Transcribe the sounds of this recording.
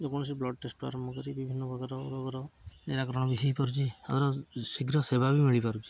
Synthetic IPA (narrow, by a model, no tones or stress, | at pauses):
d͡ʒɔkɔɽ̃ɔs̬iblɔɖʈesʈua̰ɾɔmbʱɔkɔɾibibʱinːɔbʱɔɡaɾɔoɾʱɔɡɔɾɔneɾakɔɾɔɽ̃ɔbiɦejpɔɾut͡ʃʰiat̪ɔɾɔsiɡɾɔsebʱabimiɭipaɾut͡ʃʰi̥